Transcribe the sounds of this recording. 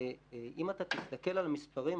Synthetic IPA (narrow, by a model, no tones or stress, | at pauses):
ʔimat̪at̪ist̪ake̞lalmispaʁim